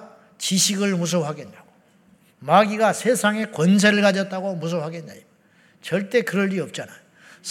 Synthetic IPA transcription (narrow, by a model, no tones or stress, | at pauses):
t͡ɕiɕʰiɡɯɭmus̬ʰʌpɦaɡe̞nːaɡ̥o̥ | maɡiɡasʰe̞sʰaŋe̞kwʌns̬ʰe̞ɾɯɭkad͡ʑʌt͈̚aɡomus̬ʰʌɦaɡenːa̰jo | t͡ɕʌɭt͈e̞kɯɾʌʎːiʌp̚t͡ɕ͈anajo | s